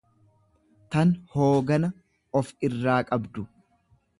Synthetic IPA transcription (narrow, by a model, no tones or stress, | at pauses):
t̪ɐnhoːɡɐnɐ | ɔfɪrːaːkʼɐbd̪ʊ